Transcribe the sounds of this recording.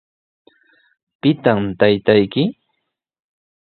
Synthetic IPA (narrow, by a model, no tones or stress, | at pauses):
pɪt̪amt̪ajt̪ajkɪ